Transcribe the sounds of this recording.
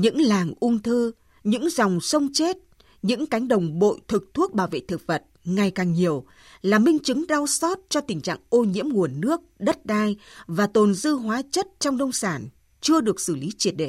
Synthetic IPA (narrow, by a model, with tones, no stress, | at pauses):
ɲɨ̰˧˥ŋlaː˨˩ŋʔʊ˧ŋ͡mt̪ʰɨ˧ | ɲɨ̰˧˥ŋza˨˩wŋ͡msə˧wŋ͡mt͡ɕe˦˥t̚ | ɲɨ̰˧˥ŋka˨˦jŋ̟ɗə˨˩wŋ͡mɓo̰˧˨jt̪ʰɨ˨˩k̚t̪ʰu˦˥ək̚ɓaː˧˩wvḛ˧˨t̪ʰɨ˨˩k̚və˨˩t̚ŋa˨˩jkaː˨˩ŋɲi˨˩əw | laː˨˩mï˧ŋ̟t͡ɕɨ˨˦ŋɗa˧wsɔ˦˥t̚t͡ɕɔ˧t̪ï˨˩ŋ̟t͡ɕa̰ː˧˨ŋʔo˧ɲḭ˧˥əmŋu˨˩ənːɨ˦˥ək̚ɗə˦˥t̚ɗaː˧jvaː˨˩t̪o˨˩nzɨ˧ɦwaː˨˦t͡ɕə˦˥t̚t͡ɕɔ˧wŋ͡mɗə˧wŋ͡msaː˧˩n | t͡ɕɨ˧əɗɨ˨˩ək̚sɨ˧˩li˨˦t͡ɕi˨˩ət̚ɗḛ˧˨